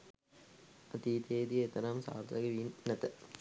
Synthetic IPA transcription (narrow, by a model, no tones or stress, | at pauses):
ɐt̪iːt̪eːd̪iet̪ɐnaːmsa̰ːɾt̪ɐɡɐʋiːnːɐt̪ɐ